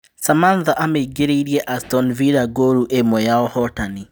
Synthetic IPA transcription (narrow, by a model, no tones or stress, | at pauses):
samanðaʔameiɡeɾeiɾjɛʔastɔnviɾaɡoɾuʔemɔjaɔhɔtani